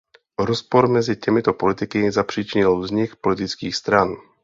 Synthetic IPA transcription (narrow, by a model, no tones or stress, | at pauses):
ɾɔspɔɾmɛzɪcɛmɪt̪opolɪt̪ɪkɪzapr̝̥iːt͡ʃɪɲɪlvzɲɪxpolɪt̪ɪt͡skiːxst̪ɾan